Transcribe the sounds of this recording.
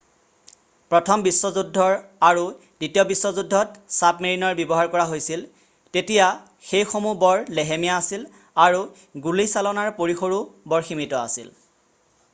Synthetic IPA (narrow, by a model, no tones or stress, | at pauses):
pɹɔtʰɔmbisːɔzudʱːɔɹaɹu | d̥itijɔbisːɔzudʱːɔtsapmeɹinɔɹbɔbɔɦaɹkɔɹaɦojsil | tetija | xejxomubɔɹleɦemijaːsil | aɹu | ɡulisalɔnaɹpoɹixoɹubɔɹximitɔa̰sḭl